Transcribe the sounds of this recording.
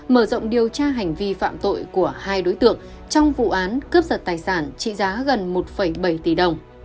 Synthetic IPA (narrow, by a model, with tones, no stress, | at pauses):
məː˧˩zə̰˧˨wŋ͡mɗi˨˩əwt͡ɕaː˧ɦa˨˩jŋ̟vi˧fa̰ː˧˨mt̪o̰˧˨jku˧˩əhaː˧jɗo˨˦jt̪ɨ̰˧˨əŋ | t͡ɕɔ˧wŋ͡mvṵ˧˨ʔaː˨˦nkə˦˥p̚zə˨˩t̪aː˨˩jsaː˧˩nt͡ɕḭ˧˨zaː˨˦ɣə˨˩nmo˨˩t̚fə˧˩jɓə˧˩jt̪i˧˨˩ɗə˨˩wŋ͡m